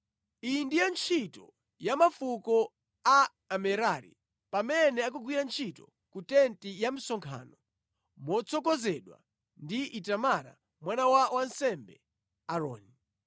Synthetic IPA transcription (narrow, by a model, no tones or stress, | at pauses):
indijant͡ʃʰitɔ̰ | jamafukɔ | a | amɛɾaɾḭ | pamɛnɛak̬uɡwiɾant͡ʃʰitɔ | kutɛntijam̩sɔŋkʰa̰ːnɔ | mɔt͡sʰɔkɔzɛɗwa̰ | ndiʔitamaɾa̰ | mwanawawansɛmbɛ̰ | aɾɔ̰ːni